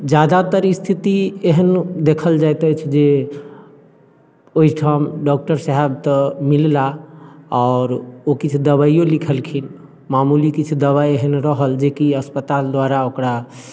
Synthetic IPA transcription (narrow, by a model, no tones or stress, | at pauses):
d͡ʒad̪at̪əɾist̪ʰit̪ieɦənd̪ekʰəld͡ʒajt̪ət͡ʃʰd͡ʒe | oɦiʈʰamɖɔk̚ʈəɾsəɦɛb̚t̪əmilla | ɔːɾokit͡ʃʰud̪əβaijolikʰəlkʰin | mamulikit͡ʃʰud̪əβajeɦənɾəɦəld͡ʒekiəspət̪ald̪waɾaokɾa